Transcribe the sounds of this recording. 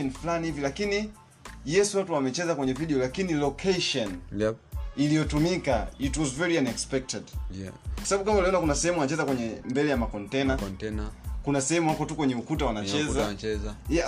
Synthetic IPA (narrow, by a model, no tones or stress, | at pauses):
ɔnflanihivilakini | jɛsuwatuamɛt͡ʃɛzakwɛɲɛviɗiɔlakinilɔkʰeʃɔn | ilijɔtumikaitwɔzvɛɹianɛkspɛk̚tɛdkwasaɓaɓukambauliɔnakunasɛhɛmuwanat͡ʃɛzakwɛɲɛmbɛlɛjamakɔntɛna | kunasɛhɛmuhakɔtukwɛɲɛukutawanat͡ʃɛzazja